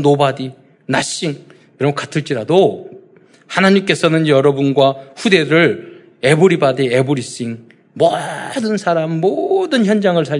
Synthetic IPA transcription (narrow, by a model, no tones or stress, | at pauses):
nobadi | naɕ͈iŋ | iɾʌmkatʰɯɭt͡ɕ͈iɾado | hanaɲimk͈e̞sʰʌnɯnjʌɾʌbunɡwaɸude̞ɾɯɭ | e̞buɾibadiebuɾis͈iŋ | mʌdɯnsʰaɾamːodɯnçjʌnd͡ʑaŋɯɭsʰa